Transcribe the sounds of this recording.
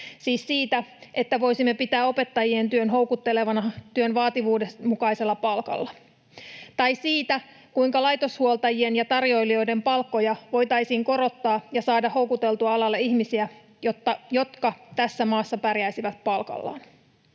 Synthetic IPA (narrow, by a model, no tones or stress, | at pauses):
siːsːiːt̪æʔe̞t̪ːæʋo̞jsimːe̞pit̪æːo̞pe̞t̪ːɑjie̞nt̪yønɦo̞wkut̪ːe̞le̞ʋɑnɑt̪yø̞nʋɑːt̪iʋuːdemukɑise̞lːɑpɑlkɑ̰lːɑ | t̪ɑjsiːt̪æ | kujŋkɑlɑjt̪o̞shuolt̪ɑjie̞njɑt̪ɑrjo̞jlio̞jde̞mpɑlkːo̞jɑʋo̞jt̪ɑjsiːŋko̞ɾo̞t̪ːɑːjɑsɑːdɑho̞wkut̪e̞lt̪uɑɑlɑlːeiçmisiæ | jo̞t̪ːɑjo̞t̪kɑt̪æsːæmɑːsːɑpærjæisiʋæt̪̚pɑlkɑ̰lːɑ̰ːn